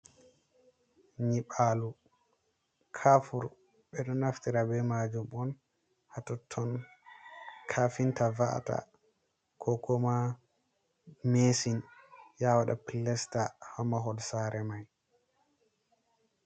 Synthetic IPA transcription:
ɲiɓalu | kʰafuɾ | ɓɛɗɔnaftiɾabɛmad͡ʒumɔn | hatɔtʰːɔn | kʰafintavaʔta̰ | kʰɔkɔma | mesinjawaɗa̰pilːɛstahɔmaɦɔlsaɾɛmaj

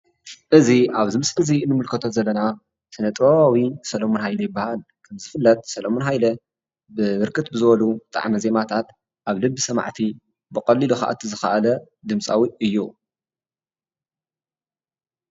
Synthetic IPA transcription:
ʔɨziaβzɨmɨsʼɨziɨnːɨmɨlkʰɐt̪ʰozɐlːɐna | sɨnɐt̪ʼβaβawisɐlɐmonhajlɐjɪbːahal | kʰɐmzɨfɨlːɐt̪̚ʼsɐlɐmonɦajlɐ | bɨβɨɾkʰɨt̪bɨzɨβɐlut̪ʼa̰ʕmize̞mat̪ʰat̪ | ʔaβlɨbːɨsɐma̰ʕt̪ʰi | bɨkʼɐlːiluxa̰ʔa̰t̪ʰizɨxɐʔalɐ | d̪ɨmsʼawiɨjːu

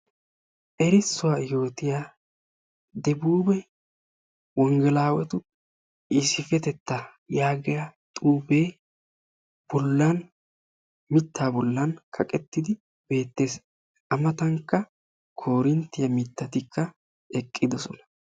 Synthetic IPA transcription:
ʔɛɾɪsːʊwaːjo̞ːt̪ɪjaː | d̪ɛbuːbɛ | wɔŋɡɛlaːwɛt̪ʊ | ɪsɪfɛt̪ɛt̪ːɐ | jaːɡɪjat̪ʼuːbe̞ː | b̥ɔlːɐn | mɪt̪ʰːaːbɔlːɐnkʰɐkʼɛt̪ːɪd̪ɪ | b̥e̞ːt̪ːe̞ːs | ʔɐmɐt̪ɐŋkːɐ | kʰo̞ːɾɪnt̪ːɪjɐmɪt̪ːɐt̪ɪkʰːɐ | ɛkʼːɪd̪ɔsɔnɐ̥

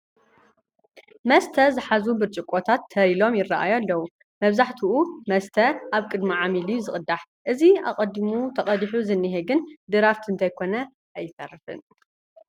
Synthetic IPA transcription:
mɐst̪ʰɐzɨħazubɨɾt͡ʃʼɪkʼːot̪ʰat̪ʰːɐɾilo̞mjɪrːaʔajolːɐwu | mɐβzaħt̪ʰuʔumɐst̪ʰɐʔaβkʼɨd̪miʕamilijuzɨχʼɨd̪aħ | ʔɨzia̰qʼɐd̪imut̪ʰɐχʼɐd̪ħuzɨnːɨɦeɡɨnd̪ɨɾaft̪ʰɨnt̪ʰajkʰo̞nɐ | ʔajːɪfɐrɨfɨ̰n

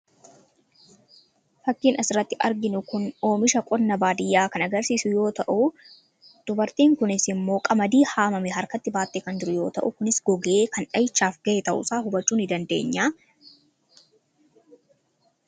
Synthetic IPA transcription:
fɐkːiːnɐsɪrːɐt̪ːɪʔɐɾɡɪnʊkʊno̞ːmɪʃɐkʼɔnːɐbaːd̪ɪjːaːkɐnɐɡɐɾsiːsʊjo̞ːt̪ɐʔʊ | d̪̥ʊbɐɾt̪iːŋkʊnɪsɪmːo̞ːkʼɐmɐd̪iːhaːmɐmɛɦɐɾkɐt̪ːɪbaːt̪ːeːkɐnd͡ʒɪɾʊjo̞ːt̪ɐʔʊkʊnɪsɡɔɡɐʔeːkɐnᶑɐjɪt͡ʃːaːfɡɐeːt̪ɐʔʊ̰saːɦʊbɐt͡ʃːuːnɪd̪ɐnd̪e̞̰ːɲːaː

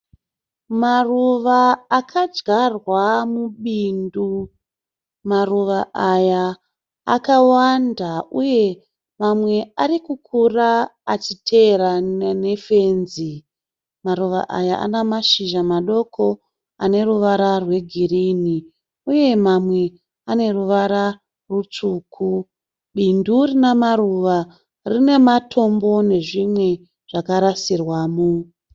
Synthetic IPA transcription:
maruʋaːkʰad͡ʒɡarwamuɓindu | maruʋaajaː | kawandauje̞ | mamwe̞aɾikukʰuraːt͡ʃitʰe̞ɾane̞fe̞ːnzi | maruʋa̰ʔa̰jaʔa̰namaʃiʒamaɗo̞kʰo | ane̞ruʋaɾarwe̞ɡʱiriːni | uje̞mamwe̞ | ane̞ruʋaɾa | rut͡ʂukʰu | ɓindurinemaɾuʋa | rine̞matʰo̞mbo̞ne̞ʐimwe̞ | ʐ̥akaɾasirwaːmu

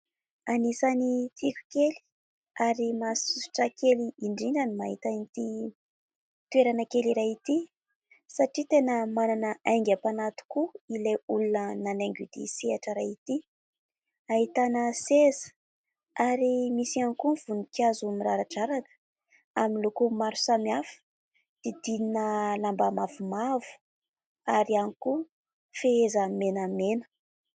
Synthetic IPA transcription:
anisanit̪ʰikʲu̥keli̥ | aɾimasusi̥ʈ͡ʂəkeliiɳɖ͡ʐiɳɖ͡ʐanimaɦit̪anit̪i | t̪ueɾanəkeliɾaɦit̪i | saʈ͡ʂit̪enəmananəʔaŋɡapanat̪u̥kuileulunənaneŋɡud̪̥ḭsiaʈ͡ʂəɾaɦit̪i | aɦit̪anəsezə̥ | aɾimisianikuv̥unikazumiɾaɾaʈ͡ʂaɾanə̥ | aminlukumaɾu̥samiafə̥ | d̪̥id̪ininəlambamavumavu̥ | aɾianiku | feezamenəmenə̥

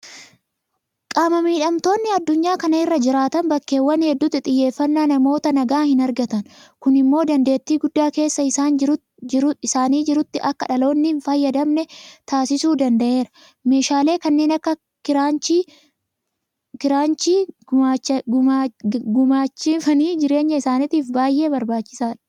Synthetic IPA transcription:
kʼaːmɐmiːᶑɐmt̪o̞ːnːɪɐd̪ːʊɲːaːkɐnɐɪrːɐd͡ʒɪɾaːt̪ɐnbɐkːe̞ːwːɐnhɛd̪ːʊt̪ːɪt̪ʼɪjːe̞ːfːɐnːaːnɐmo̞ːt̪ɐnɐɡaːhɪnɐɾɡɐt̪ɐnkʊnɪmːo̞ːd̪ɐnd̪e̞ːt̪ːiːɡʊd̪ːaːke̞ːsːɐɪsaːn | ɪsaːniːd͡ʒɪɾʊt̪ːɪʔɐkːɐᶑɐlo̞ːnːɪnfɐjːɐd̪ɐmnɛt̪aːsɪsuːd̪ɐnd̪ɐʔe̞ːɾɐ̥ | me̞ːʃaːle̞ːkɐnːe̞ːnɐkːɐ | kɪɾaːt͡ʃi | kɪɾaːnt͡ʃiː | ɡʊmaːt͡ʃːɪfɐniːd͡ʒɪɾe̞ːɲːɐɪsaːnɪt̪iːfbaːjʔe̞ːbɐɾbaːt͡ʃːɪ̥saːᶑɐ̥

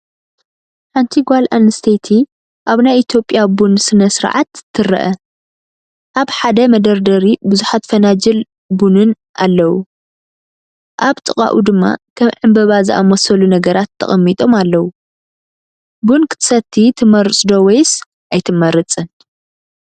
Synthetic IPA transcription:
ħant̪ʰiɡʷalʔanɨst̪ʰet̪ʰi | ʔaβnajit̪ʰjo̞pʼjabunsɨnɐsɨɾʕa̰t̪t̪ʰːɨrɐ̰ʔɐ | ʔaβħad̪ɐmɐd̪ɐɾd̪ɐɾibɨzuħat̪fɐnad͡ʒɐl | bunɨn | ʔalːɐwu | ʔaβt̪ʼɨkʼa̰ʔud̪ɨmːa̰kʰɐmʕɨmbɐβazɨʔa̰mosɐlunɐɡɐɾat̪ʰːɐ̰χʼɐmːit̪ʼo̞malːɐwu | bunkʰɨ̥t̪ʰɨ̥sɐt̪ʰːit̪ʰɨmɐɾɨt͡sʼd̪o̞wɔjs | ʔajt̪ʰɨmɐɾɨt͡sʼɨn

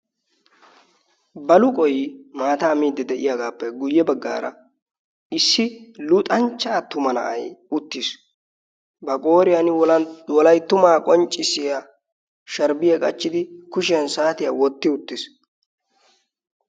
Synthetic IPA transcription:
bɐlʊkʼɔjmaːt̪aːmiːd̪ːɛd̪ɛʔɪ̰jaɡaːpːɛɡʊjːɛbɐɡːa̰ːɾɐ̰ | ɪsːɪlʊt̪ʼɐnt͡ʃːaːt̪ʊmɐnɐ̰ʔɐ̰jʊt̪ːɪs | bɐkʼo̞ːɾɪjɐnɪwwɔlɐjt̪ːʊmaːkʼɔnt͡ʃʼːɪsɪja | ʃɐɾbɪjɐkʼɐt͡ʃːɪd̪ɪkʊʃɪjɐnsaːt̪ɪjaːwɔt̪ːɪʊt̪ːɪs

